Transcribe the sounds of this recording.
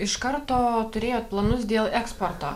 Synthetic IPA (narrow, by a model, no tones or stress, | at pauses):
ɪʃkɐɾt̪oːt̪ʊɾʲeːjoːt̪̚plˠɐnʊsd̪ʲeːlˠɛkspoːɾt̪o̰ː